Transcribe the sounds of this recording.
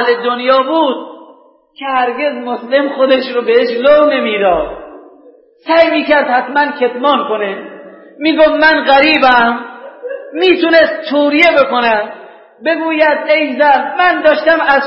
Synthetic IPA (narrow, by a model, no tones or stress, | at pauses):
led̪onjɒːbuːd̪̚ | kʲʰehæɾɡʲe̞zmoslemxod̪eʃɾobeeʃlowne̞miːd̪ɒːd̪̥̚ | sæjmiːkæɾd̪hæt̪mænkʰet̪mɒːnkʰone | miːɡofmænɣæɾiːbæmː | iːt̪unest̪ːʰuːɾijebekonæm | beɡuːjæd̪ejzæɾmænd̪ɒːʃt̪æmæz